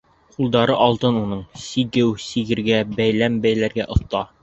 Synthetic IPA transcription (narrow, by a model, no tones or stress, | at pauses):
qulˠd̪ɑɾɤʔɒlˠt̪ɤnunɤɴsiɡɘwsiɡɘ̆ɾɡæbæjlæmbæjlæɾɡæʔŏθt̪ɑ